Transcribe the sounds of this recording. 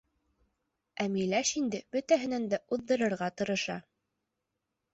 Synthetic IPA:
æmilæʃind̪ɘb̥ɵt̪æɦɘ̆nænd̪æʔuðːɤ̆ɾɤ̆ɾʁɑt̪ɤ̆ɾɤ̆ʃɑ

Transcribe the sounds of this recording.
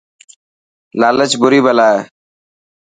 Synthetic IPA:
laːlət͡ʃbʊɾiːbəlaːeː

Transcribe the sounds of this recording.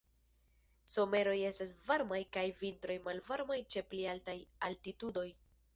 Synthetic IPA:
so̞me̞ɾo̞je̞stas̬vaɾmajkajvintɾo̞jmalvaɾmajt͡ʃe̞plialtajaltitudo̞j

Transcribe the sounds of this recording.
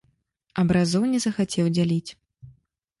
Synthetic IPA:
ɐbɾazɔwnʲɛzɐxat͡sʲɛwd͡zʲalʲit͡sʲ

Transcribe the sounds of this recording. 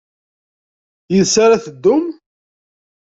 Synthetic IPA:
jəðsaɾaθəd̪ːʊm

